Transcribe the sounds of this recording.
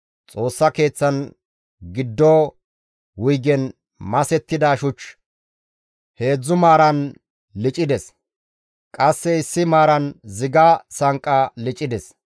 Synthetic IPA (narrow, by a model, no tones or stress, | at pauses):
t͡sʼo̞ːsːɐke̞ːt͡sːɐn | ɡɪd̪ːoː | wʊjɡɛn | mɐsɛt̪ːɪd̪aːʃʊt͡ʃ | he̞ːd͡zːʊmaːɾɐn | lɪt͡ʃʼɪd̪ɛs | kʼɐsːɛɪsːɪmaːɾɐnzɪɡaːsɐŋkʼːalɪt͡ʃʼɪd̪ɛs